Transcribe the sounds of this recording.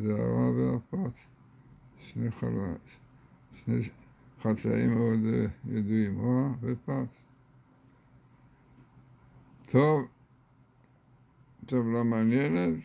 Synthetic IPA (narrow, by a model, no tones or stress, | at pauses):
dea̰ʁavea̰pat͡s | ʃneχal | ʃneχat͡sa̰imeod̪jed̪uimoabepat | t̪ʰov | t̪ovlamanjenet̪